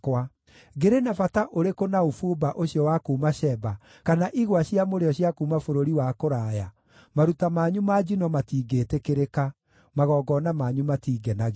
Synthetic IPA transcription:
kwa | ɡeɾenafataʔoɾekonaofubaʔoɕiɔwakoːmaɕɛba | kanaʔiɣwaɕiamoɾeɔɕjakuːmafoɾoɾiwakoɾaja | maɾutamaːɲumad͡ʒinɔmatiːɡetekeɾeka | maɣɔːɡɔnamaɲumatiːɡɛnaɣ

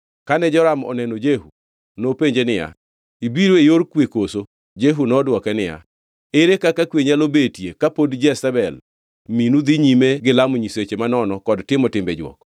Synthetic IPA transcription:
kanɛd͡ʒɔɾamɔ̰nɛnod͡ʒehu | nopeɲd͡ʒenɪja̰ | ibiɾoejoɾkwekoso | d͡ʒeɦunɔdwɔkɛnɪja̰ | eɾekakakweɲalobetjekapodd͡ʒɛsɛbɛl | minud̪iɲimeɡɪlamɲiset͡ʃemanɔnɔkɔdtɪmɔtɪmbɛd͡ʒwɔ̰k

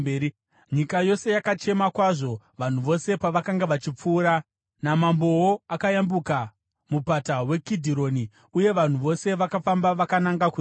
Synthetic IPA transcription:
ɲikajo̞se̞jakat͡ʃe̞makwaʐo̞ | ʋan̤uʋo̞se̞paʋakaŋɡaʋat͡ʃip͡fuːɾa | namambo̞woakajambuka | mupatawe̞kidʱiɾo̞ni | uje̞ʋan̤uʋo̞se̞ʋakafambaʋakanaŋɡaku

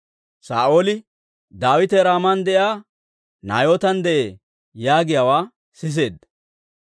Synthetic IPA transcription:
sa̰ːʔo̞ːlɪ | d̪aːwɪt̪ɛɾaːmɐnd̪ɛʔjaː | na̰ːjoːt̪ɐnd̪ɛʔe | jaːɡɪjawaː | sɪs̬e̞ːd̪ːɐ

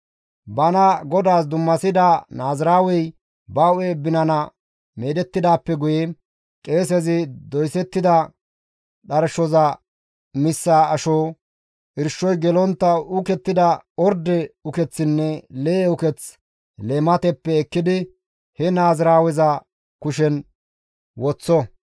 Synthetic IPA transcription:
bɐnɐɡɔd̪aːsd̪ʊmːɐsɪd̪anaːzɾaːwɛj | bɐweːbɪnɐnɐ | meːd̪ɛt̪ːɪd̪aːpːɛɡʊjɛ | kʼe̞ːs̬ɛzɪd̪ɔjsɛt̪ːɪd̪ɐ | ɗɐɾʃɔzɐ | mɪsːaːɐʃoː | ʔɪɾʃːɔjɡɛlɔnt̪ːɐʊkɛt̪ːɪd̪ɐɔɾd̪ɛʊkɛt͡sːɪnːɛleːʊkɛt͡s | leːmɐt̪ɛpːɛːkːɪd̪ɪ | hɛnaːzɾaːwɛzɐ | kʊʃ̬ɛn | wɔt͡sːɔ

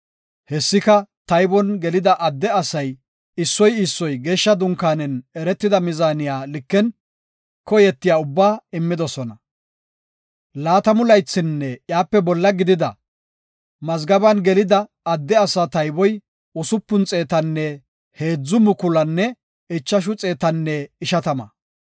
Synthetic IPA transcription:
hɛsːɪkɐt̪ɐjbɔnɡɛlɪd̪ɐʔɐd̪ːɛɐsɐj | ɪsːɔjɪsːɔjɡe̞ːʃːɐd̪ʊŋkaːnɛnɛɾɛt̪ːɪd̪ɐmɪzaːnɪjaːlɪkːɛn | kɔjɛt̪ːɪjaːʊbːaːɪmːɪd̪ɔsɔnɐ | laːt̪ɐmʊlɐjt͡sːɪnːɛjaːpːɛbɔlːɐɡɪd̪ɪd̪ɐ̰ | mɐzɡɐbɐnɡɛlɪd̪ɐː | d̪ːɛɐsɐt̪ɐjbɔj | ʊsʊpːʊnt͡sʼe̞ːt̪ɐnːɛ | he̞ːd͡zːʊmʊkʊlɐnːɛ | ɪt͡ʃːɐʃ̬ʊt͡sʼe̞ːt̪ɐnːɛɪʃɐt̪ɐmɐ̰

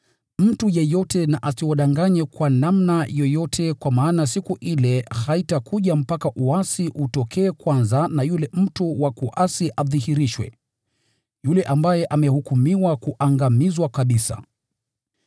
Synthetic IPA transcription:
m̩tujɛjɔtɛnaʔasiwɔɗaŋɡaɲɛkwanamnajɔjɔtʰɛkwamaːnas̬ikuʔilɛhaitakʰuʄam̩pakaʔuasiʔutɔkʰɛːkwanzanajulɛm̩tuwakuʔasiʔaðihiɾiʃwɛ̰ | julɛʔambajɛʔamɛhukumiwakuʔaŋɡamizwakaɓisa̰

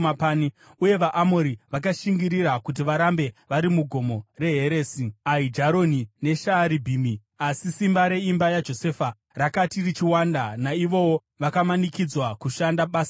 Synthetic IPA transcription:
apaːni | uje̞ʋaʔːmoɾiʋakaʃiŋɡiɾiɾakut̬iʋaɾambe̞ʋaɾimuɡʱo̞mo̞re̞ɦe̞ɾe̞ːsiaid͡ʒaɾo̞nine̞ʃaːɾibʱimi | asisimbaɾe̞imbajad͡ʒo̞se̞ːfa | rakatirit͡ʃiwandanaiʋo̞wo | ʋakamanikid͡zwakuʃandaɓasa

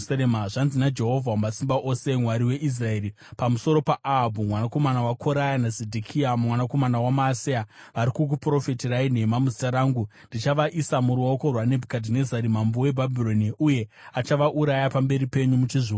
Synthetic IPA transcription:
seemaʐanzinad͡ʒe̞ɦo̞vʱawmasimbaʔose̞mwaɾiwe̞ʔis̬rae̞ːɾi | pamuso̞ɾo̞paʔaɦabʱumwanako̞manawakʰo̞ɾajanazedʱikʰiamumwanako̞manawamaːsiaʋaɾikuk̬upro̞fetirain̤e̞mamuzitaɾaːŋɡundit͡ʃaʋaʔisamuɾuoko̞rwane̞bʱukadʱine̞zaɾimambowe̞bʱabʱiro̞niuje̞at͡ʃaʋaʔuɾajapambe̞ɾipe̞ɲumut͡ʃiʐi

